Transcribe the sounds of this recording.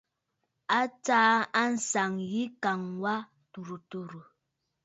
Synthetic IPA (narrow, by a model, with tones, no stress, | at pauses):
a˦taː˦a˦n̩˨sa˨ŋji˦ka˨ŋwa˦ | tu˨ɾu˨tu˨ɾu˨